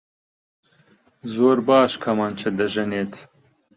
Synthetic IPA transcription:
zoːɾbɑːʃkʰɐmɑːnt͡ʃʰɐd̪ɐʒɛneːt̪

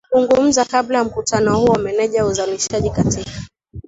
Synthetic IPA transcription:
zuŋɡum̩zakablajam̩kutanɔhuwamɛnɛʄajauzaliʃaʄikatikḁ

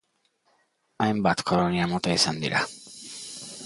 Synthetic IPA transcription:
ajmbat̪kʰɔɾɔniamot̪ejsand̪ḭɾʔa̰

